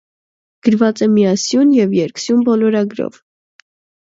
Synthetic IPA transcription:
ɡ̥əɾvɑt͡sɛmiɑsjunjɛvjɛɾksjumbɔlɔɾɑɡɾɔ̰v

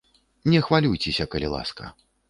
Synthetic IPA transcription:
nʲɛxvalʲujt͡sʲesʲɐkɐlʲilˠa̰skɐ̰

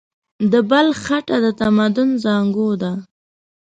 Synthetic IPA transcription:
d̪əbalxaʈad̪ət̪amad̪ʊnzɑŋɡod̪a

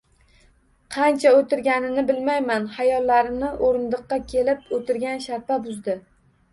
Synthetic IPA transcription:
qʰɑnt͡ʃʰaot̪ʰɪɾɡʲanɪnɪbɪlmajmanhajɒlːaɾɪnɪʔoɾɪnd̪ɨqːɑkʲʰe̞lɪp̚ot̪ɪɾɡʲanʃaɾt̪abʊzd̪ɪ

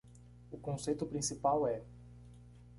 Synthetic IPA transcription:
ʊkõsejt̪ʊpɾĩsipawɛ

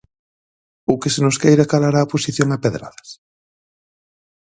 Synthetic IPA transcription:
ʊkesenʊskejɾakalaɾaːposiθjoŋapeðɾa̰ðɐ̥s

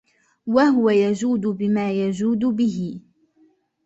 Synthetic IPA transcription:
wahʊwajad͡ʒuːd̪ʊbɪmaːjad͡ʒuːd̪ʊbɪɦɪ

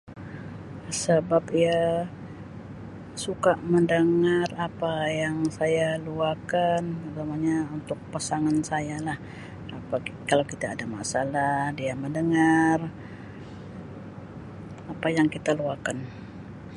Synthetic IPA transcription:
səbapia | sukaməndəŋarapajaŋsajaluakanəɡamaɲaunt̪ʊk̚pasaŋansajalah | apakalawkit̪aːdama̰salahdiaməndəŋar | apajaŋkit̪aluakan

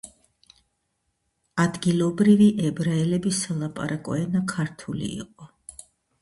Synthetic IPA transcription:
ad̪ɡilˠɔbɾiviʔɛbɾaɛlɛbisalˠapʼa̰ɾʔakʼɔ̰ɛnakʰaɾt̪ʰulḭːqʼɔ

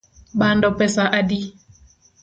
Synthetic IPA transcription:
ɓandɔpɛsaʔadi

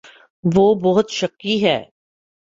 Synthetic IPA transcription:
ʋoːbɔɦʊt̪ʃɐkiɦɛ̰ː

